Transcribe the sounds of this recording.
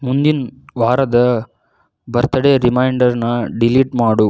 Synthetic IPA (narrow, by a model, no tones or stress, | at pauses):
mund̪inʋaːɾɐd̪ɐ | bɐɾt̪ɐɽeɾimɐjɳɖɐɾnɐɖiliːʈmaːɽu